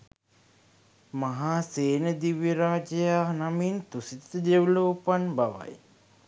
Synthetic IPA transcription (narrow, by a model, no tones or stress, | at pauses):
maɦaːseːnəd̪iʋiɾaːd͡ʒəjaːnamint̪usit̪t̪əd̪ewloːpanbaʋa̰j